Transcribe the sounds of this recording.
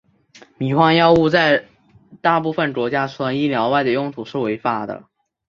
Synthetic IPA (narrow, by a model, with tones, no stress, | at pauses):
mi˨˩xwɑ˥˧ŋjɑ˥ʊu˥˧t͡sa˥˧ɪ | t̪a˥˧pu˥˩fə˨˩nʈ͡ʂwɔ˧˥t͡ɕja˥ʈ͡ʂʰu˥˩a˧˥ni˥˩ljɑ˧˥ʊwa˥˩ɪd̪ə˩jʊ˥˧ŋt̪ʰu˨˩ʂɻ̩˥˩we˧˥ɪfa˧˥d̪ə̰˨˩